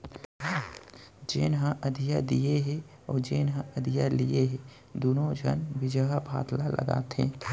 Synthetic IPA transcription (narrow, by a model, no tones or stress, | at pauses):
d͡ʒeːnɦə̃ʔəd̪ʱijad̪ijeɦɛ | ɔːd͡ʒeːnɦə̃əd̪ʱijalieɦɛ | d̪unõd͡ʒʱənʋɪd͡ʒəɦbʱa̰ːt̪lalʔə̰ɡa̰ːt̪ḛ̃ː